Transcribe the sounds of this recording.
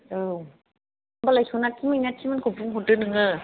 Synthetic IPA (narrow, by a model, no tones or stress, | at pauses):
ɯw | ambalajsɯwnatʰiminatʰimɯnkʰupʰuŋɦʰutɯnɯŋɯ